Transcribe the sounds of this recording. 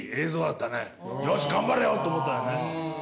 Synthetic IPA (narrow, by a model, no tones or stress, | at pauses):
eːzo̞ːd̪at̪ːane | joːɕi̥ɡãmbaɾejoːt̪ːoːmot̪ːaone